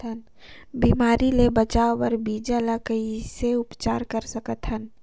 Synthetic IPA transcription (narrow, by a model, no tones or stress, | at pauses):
ən | biːmaːɾilebət͡ʃaːopəɾbiːd͡ʒaləkəiseʊpt͡ʃaːɾkəɾsəkət̪ɦən